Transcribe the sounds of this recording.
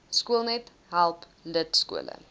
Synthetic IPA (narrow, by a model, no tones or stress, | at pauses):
skuəlˠnɛt | ɦælˠp | lətskṵələ̰